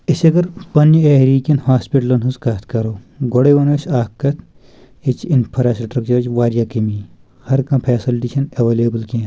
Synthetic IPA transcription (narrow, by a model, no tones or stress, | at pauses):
ɪsɐɡɐɾpɐnjeɾiːkʲɐnhaːspiʈɐlɐnɦuzkaːt̪ʰkɐɾoː | ɡoɽeʋɐnoʃaːkːɐt̪ʰ | it͡ʃinpʰɐɾasɐʈɾɐk̚t͡ʃɐɾd͡ʒʋaːɾjaːkimiː | hɐɾkɐ̃mpʰeːsilʈiːʃɐnɐʋeːleːbɐlke